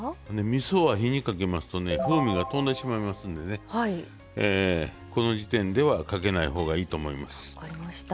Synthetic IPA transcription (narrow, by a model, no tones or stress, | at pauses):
ne̞mʲiso̞βaçiɲ̟ikake̞masɨ̥t̪o̞ne̞ɸɯ̟ːmʲiɡat̪õ̞nd̪aɕimaimasɨ̃nd̪e̞ne̞ai | eː | ko̞no̞ʑit̪ẽ̞nd̪e̞βakake̞naiɦo̞ːɡaiːt̪o̞ːmo̞imasɨ̥aɾimaɕt̪